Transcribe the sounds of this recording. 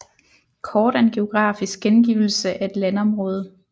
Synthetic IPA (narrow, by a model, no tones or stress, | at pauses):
kʰɒːd̥ænɡ̥e̝o̝ɡ̥ʁɑ̰̈ːfisɡ̥̚ɡ̥enɡ̥ḭʊl̩səʔæe̝d̥lænɒ̽mʁɔ̽ːð̞ˠə